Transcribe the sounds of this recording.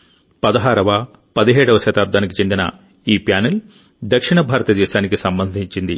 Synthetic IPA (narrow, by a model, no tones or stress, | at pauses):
pɐd̪ɐɦaːɾɐʋɐ | pɐd̪iɦɛːɽɐʋɐʃɐt̪aːb̚d̪aːnikit͡ʃe̞nd̪inɐ̰ | iːpjaːnɐl | d̪ɐkʂiɳɐbʱaːɾɐt̪ɐd̪ɛːʃaːnikisɐmbɐnd̪ʱiɲt͡ʃind̪i